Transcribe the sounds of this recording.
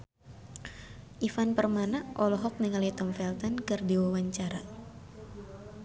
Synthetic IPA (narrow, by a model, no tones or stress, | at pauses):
ʔifanpərmanaʔɔlɔɦɔk̚niŋalit̪ɔmfɛlt̪ɔnkɨrdiwawaɲt͡ʃaɾa